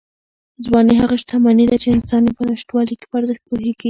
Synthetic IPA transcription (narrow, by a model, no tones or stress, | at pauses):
d͡zwɑneɦaɣaʃt̪amanid̪at͡ʃeɪnsɑnjepənaʃtwɑlike̥pəaɾzəxt̪̚poɦeɡi